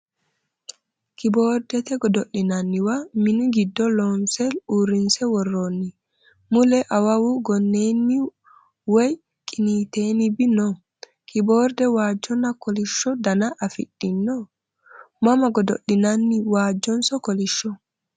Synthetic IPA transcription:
kibɔɾdɛt̪ɛɡɔdoɗːinanːiwaminɡidːɔlɔnsɛluɾinsɛwɔrːonːi | mulɛʔawawuɡɔnːenːi | wej | kʼinitenibinɔ | kʰibɔɾdɛwad͡ʒɔnakoliʃɔdanaʔafḭɗːinːɔ | mamaɡɔdo̰ɗːinanːiwad͡ʒɔnsɔkoliʃːɔ

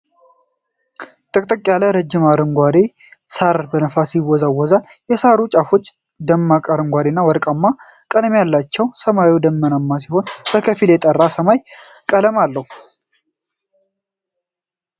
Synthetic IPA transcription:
t̪ʼəkʼt̪ʼəkʼjaləɾəd͡ʒːɪmaɾɨŋɡʷad̪e | saɾbənəfasiwɔzawːɔzanjɛsaɾut͡ʃʼafo̞t͡ʃː | d̪əmːakʼəɾɨŋɡʷad̪enːawɔɾkʼamːakʼəlmjalːat͡ʃːɛwsəmajiwd̪əmːənamːas̬iho̞nb̥əkʰəfiljɛt̪ʼərːasəmaj | kʼələmalːəhu

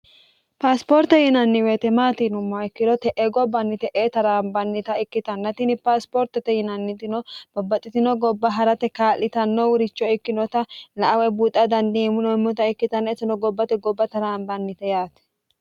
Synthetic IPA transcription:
paːspoːɾt̪ɛjɪnɐnːɪweːt̪ɛmaːt̪iːnʊmːaɪkːɪd̪ɔt̪ɛʔeɡɔbɐnːɪt̪ɛʔeːt̪ɐɾaːmbɐnːɪt̪ɐɪkːɪt̪ɐnːɐt̪ɪnɪpaːspoːɾt̪ɛt̪ɛjɪnɐnːɪt̪ɪnɔb̥ɔbːɐt̪ʼːɪt̪ɪnɔɡɔbːɐɦɐɾɐt̪ɛkaːlːɪt̪ɐnːɔwʊɾɪt͡ʃːɔɪkːɪnɔt̪ɐlɐʔɐwɛbuːt̪ʼːɐd̪ɐnd̪imʊnɔɪmːɔt̪ɐɪkːɪt̪ɐnːɛɛt̪ːɪnɔɡɔbːɐt̪ɛɡɔbːɐt̪ɐɾaːmbɐnːɪt̪ɛjaːt̪ɛ̥

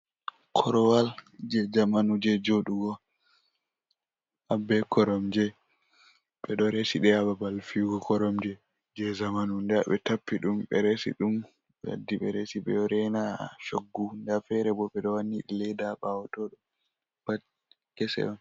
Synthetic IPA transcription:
kʰɔɾɔwald͡ʒɛd͡ʒamanud͡ʒɛd͡ʒoɗuɡɔ | ʔabɛkɔɾɔmd͡ʒɛ | ɓɛɗɔɾesiɗɛababalfiɡɔkɔɾɔmd͡ʒɛ | d͡ʒɛzamanundɛɓɛtapːiɗumɓɛ̰ɾesḭɗum | ɓɛa̰dːiɓɛɾɛsiɓɛ̰ɾɛnaʃoɡːundafɛɾɛbɔɓɛɗɔwanːiɗilɛdaɓawɔtɔɗum | b̥at̚ | kɛsɛ̰ɗɔn

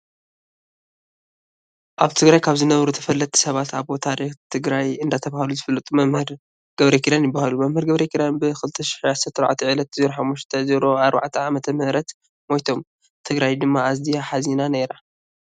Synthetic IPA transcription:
ʔaβt̪ʰɨɡɾajkʰaβzɨnɐβɾut̪ʰɐfɐlːɐt̪ʰːi̥sɐβat̪ʰaβot̪ʰaɾixt̪ʰɨɡɾajɨnd̪at̪ʰɐβahaluzɨfɐlːɐt̪ʼumɐmhɨɾ | ɡ̥ɐβɾekʰid̪anjɪbːahalumɐmhɨɾɡɐβɾekʰid̪anbɨxɨlɨt̪ʰːɐʃɪ̥ħʕasɐt̪ːɨɾʕat̪ʰiʕɨlɐt̪̚ɨzɾoħamːuʃt̪ʰɐzɐɾo̞aɾba̰ʕt̪ʰiʕamɐt̪ʰɐmɨhɾɐt̪ | mojt̪ʰo̞m | t̪ʰɨɡɾajd̪ɨmːaːzd̪ijaħazinaneɾa

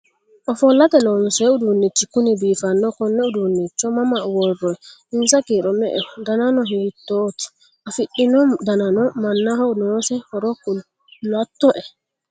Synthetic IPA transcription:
ʔɔfɔlːatɛlɔnsɛudunːit͡ʃːikunibifanːɔkɔnːɛudunːit͡ʃːɔmamawɔrːɔɛinsakiɾɔmɛ̰ʔɛdananɔhwitːoːti̥ | ʔafiɗːinɔdananɔmanːahɔnɔsɛhɔɾɔkːu | latːɔʔɛ

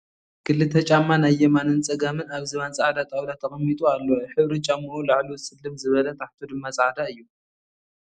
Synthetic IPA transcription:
kʰɨlːɨt̪ʰɐt͡ʃʼamːanajːɛmanɨnt͡sʼɐɡamɨnaβzɨβant͡sʼaʕd̪at̪ʼawd̪at̪ʰɐxʼɐmːit̪ʼualːoħɨβɾit͡ʃʼamːɨɾulaʕliwsɨlːɨmzɨβɐlɐt̪ʼaħt̪ʰod̪ɨmːasʼaʕd̪aɨjːu

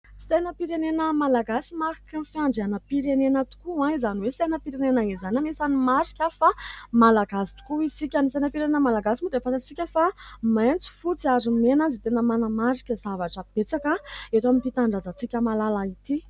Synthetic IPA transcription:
sejnəpiɾenenəmalaɡasimaɾikənfiaɳɖ͡ʐeanəpiɾenenət̪u̥kuãizaniwesenəpiɾenenaŋizanamesanimaɾi̥kʲafamalaɡasi̥t̪u̥kuisikʲanisejnəpiɾenenəmalaɡasimud̪efanat͡sikʲəfamajnt͡si̥fut͡siazimenanzit̪enəmanəmaɾikʲəzavaʈ͡ʂəb̥et͡sakaet̪aminp̪it̪aɳɖ͡ʐazat͡sikʲəmalalait̪i

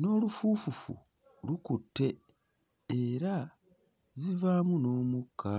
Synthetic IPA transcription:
no̞ːlufuːfufṵ | lukutːe̞ː | ɾa | zivaːmuno̞ːmukʰːa

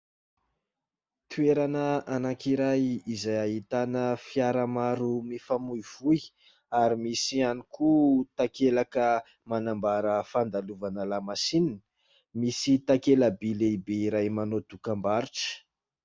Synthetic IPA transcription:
t̪ʰueɾanəanakiɾajizajaɦit̪anəfjaɾəmaɾumifamuiv̥uj | aɾimisianikut̪akelakə | manambaɾəfand̪aluvanəlamasininə | misit̪akeləbileibeiɾajmanod̪̥ukambaɾiʈ͡ʂə̥

